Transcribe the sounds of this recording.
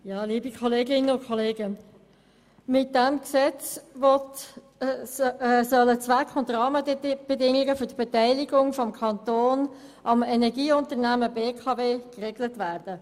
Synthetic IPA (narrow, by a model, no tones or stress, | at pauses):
jɑːliːbikʰɔleːɡɪnəʊnkʰɔleːɡə | mɪt̚d̥ɛmksɛt͡sʋɔt | sœlət͡sʋækχʊntrɑːməb̥ɛdɪŋɪɡəfʏɾdb̥ɛtæɪlɪɡʊŋfɔmkʰɑnt̪oːn | ʔɑmɛnɛɡiːʊntəɾnæməbeːkʰɑveːkreːɡlətvæːrd̥ə